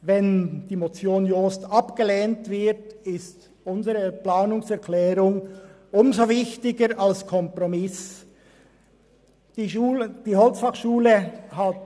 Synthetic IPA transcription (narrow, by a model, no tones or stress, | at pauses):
vɛnd̥iːmot͡sjoːnjostɑpɡ̥əleːntv̥ɪtɪst | ʊnzəʁəplaːnʊŋsɛɐklɛːʁʊŋ | ʔʊmzovɪçtɪɡəɾalskʰɔmpʁomɪs | d̥iuːd̥iːhɔlt͡sfɑχʃuːləhat